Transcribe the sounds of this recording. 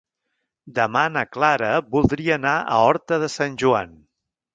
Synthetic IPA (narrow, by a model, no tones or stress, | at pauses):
d̪əmanəklaɾəβulˠd̪ɾiəːnaʔə̰ɔɾt̪əðəsanʲʒua̰n